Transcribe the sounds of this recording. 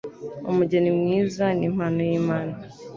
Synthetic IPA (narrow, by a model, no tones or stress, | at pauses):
ṵmuɟenimŋiːzanim̥haːnojiːmaːna